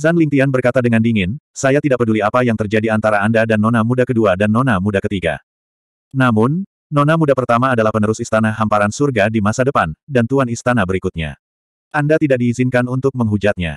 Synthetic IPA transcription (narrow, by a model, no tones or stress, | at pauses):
zanlint̪ianbərkat̪adəŋandiŋɪnsajat̪idaʔpəduliapajaŋt̪ərd͡ʒadiant̪aɾaːndadanːonamudakəduadanːonamudakət̪iɡa̰ | namʊnː | onamudapərt̪amaːdalahpənəɾʊsist̪anaɦampaɾansurɡadimasadəpandant̪uanist̪anabəɾikut̪̚ɲa̰ | ʔandat̪idak̚diːzinkanunt̪ʊk̚məŋɦud͡ʒat̪̚ɲa̰